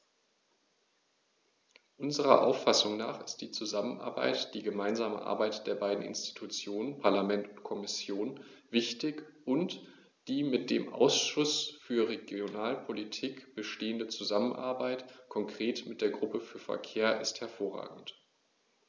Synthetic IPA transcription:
ʔʊnzəʁɐ̰ʔa̰ʊfasʊŋnaːχɪst̚d̥iːt͡suzamənʔa̰ɐba̰ɪtd̥iːɡəmaɪnzaːmə̰ʔa̰ɐbaɪtd̥eːɐbaɪdn̩ɪ̰nsti̥tʰut͡sjoːnənpʰaɐlamɛntʊntkʰɔmɪsjoːnv̥ɪçtɪçʔʊnt | d̥iːmɪt̚d̥ḛːmʔa̰ʊsʃʊsfyːɐʁeɡjonaːlpʰolitʰiːkb̥əʃteːəndət͡suzamənʔa̰ɐbaɪtkʰɔŋkʁ̥eːtmɪt̚d̥eːɐɡʁʊpəfyːɐfɛ̰ɐkʰeːɐʔɪsthɛɐfoːɐʁa̰ːɡŋ̩t

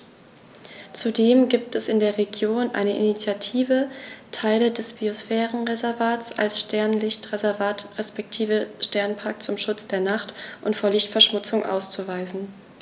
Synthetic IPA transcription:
t͡sudeːmɡiːp̚tʰɛsɪndeːɐʁeɡjoːnʔa̰ɪnəʔḭnit͡sjatʰiːvətʰaɪlədɛsb̥iosfɛːʁənʁezɛɐvaːtt͡sʔa̰lsʃtɛɐnlɪçtʁezɛɐvaːtʁɛspɛk̚tʰiːvəʃtɛɐnpʰaɐkt͡sʊmʃʊt͡sd̥eːɐnaχtʔʊntfoːɐlɪçtfɛɐʃmʊt͡sʊŋʔa̰ʊst͡suvaɪzn̩

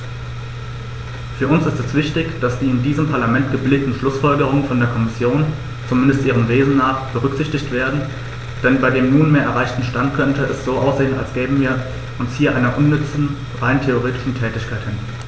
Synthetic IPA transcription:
fyːɐʊnsɪstɛsv̥ɪçtɪçd̥asd̥iːɪndiːzəmpʰaɐlamɛntɡ̥əbɪlɪk̚tn̩ʃlʊsfɔlɡəʁ̞ʊŋənfɔndeːɐkʰɔmɪsjoːn | t͡sumɪndəstʔiːʁ̞əmveːzn̩naːχb̥əʁ̞ʏkz̥ɪçtɪçtv̥eːɐdn̩ | d̥ɛnbaɪdeːmnuːnmeːɐʔɛɐaɪçtn̩ʃtantkʰœntəɛsz̥oːʔaʊsz̥eːənalsɡ̥ɛːbəviːɐ | ʔʊnshiːɐʔaɪnɐʔʊnːʏt͡sn̩ | ʁaɪntʰeoʁ̞eːtɪ̥ʃn̩tʰɛːtɪçkʰaɪthɪn

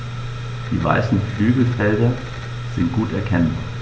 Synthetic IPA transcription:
d̥iʋɑ̈ɪsn̩əflyɡ̥ð̩ˠælden | sinɡ̥ud̥ækʰæn̩

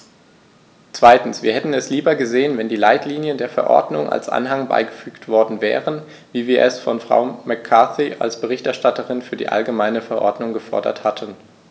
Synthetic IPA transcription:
t͡sv̥aɪtn̩sv̥iːɐhɛtn̩ɛsliːbɐɡəzeːənvɛndiːlaɪtliːnjəndeːɐfɛɐʔɔ̰ɐdnʊŋʔa̰lsʔa̰nɦaŋba̰ɪɡəfyːktv̥ɔɐdn̩vɛ̰ːʁən | viːviːɐʔɛsfɔnfʁ̥a̰ʊmɛkʰːaθiʔa̰lsb̥əʁɪçtɛɐʃtatəʁɪnfyːɐdḭːʔa̰lɡəmaɪnəfɛɐʔɔ̰ɐdnʊŋɡəfɔɐdɐ̰thatʰən

